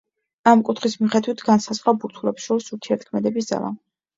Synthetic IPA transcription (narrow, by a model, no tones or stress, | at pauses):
amkʼut̪ʰχismiχɛd̪wit̪ʰɡansazʁwabuɾt̪ʰulɛpsʃɔɾisuɾt̪ʰiɛɾt̪̚ʰkʰmɛd̪ɛbis̬d̪za̰lˠa̰